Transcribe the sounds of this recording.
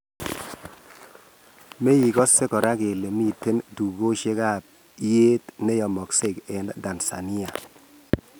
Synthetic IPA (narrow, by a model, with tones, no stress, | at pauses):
me˦ji˨kɔ˦sːe˦kɔ˨ɾa˦ke˨le˨mi˦˨tːe˦ntu˨ɡo˦ʃe˦ka˦˨p̚ | i˦je˦tne˦jɔ˨mɔ˨kse˦˨kɛ˨ndada˨nsa̰˨ni˦a˨